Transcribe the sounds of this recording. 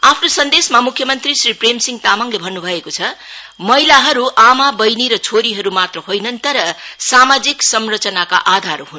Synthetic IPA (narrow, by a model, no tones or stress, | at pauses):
apʰnosʌnd̪esmamukʰjʌmʌnt̪risripremsiŋt̪amʌŋlebʱʌnːubʱʌekot͡sʰʌ | mʌjlaɦʌɾuʔamabʌjniɾʌt͡sʰoɾiɦʌɾumat̪rʌhojnʌnt̪ʌɾʌsamad͡ziksʌmrʌt͡sʌnaka̰ʔad̪ʱaɾɦun